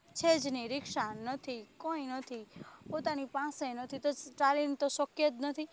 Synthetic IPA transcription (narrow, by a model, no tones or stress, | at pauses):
t͡ʃʰed͡ʒniɾɪkʃanɔt̪ʰikɔĩnɔt̪ʰipot̪anipãsenɔt̪ʰit̪oʈalint̪oʃɔkjət̪nɔt̪ʰi